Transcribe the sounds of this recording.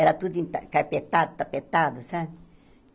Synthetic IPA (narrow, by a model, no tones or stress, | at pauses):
ɛɾat̪ud̪ĩnt̪akaɾpet̪ad̪ut̪apet̪ad̪usa